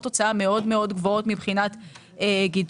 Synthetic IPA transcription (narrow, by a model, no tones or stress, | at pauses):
t̪ːo̞t͡saame̞o̞d̪meo̞dɡvoo̞t̪mibχinat̪ | eɡid